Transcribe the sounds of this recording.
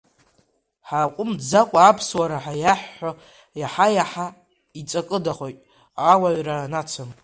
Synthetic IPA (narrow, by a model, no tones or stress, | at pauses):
ħaqʷʼʊmd͡zakʷʼaːpʰswaɾaħajaħːo | jaħajaħa | it͡sʼakʼɨdaχʷojtʼ | awaɥɾanat͡sʰɨm